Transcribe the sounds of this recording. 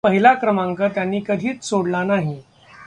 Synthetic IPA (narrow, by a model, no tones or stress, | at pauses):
pəɦilakɾəmãŋkət̪janːiːkəd̪ʱiːt͡ssoɽlanaɦi